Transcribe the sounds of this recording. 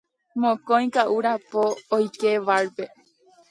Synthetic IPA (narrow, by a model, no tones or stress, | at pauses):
mõkõj̃kaʔuɾapoːjkeʋaɾpe̞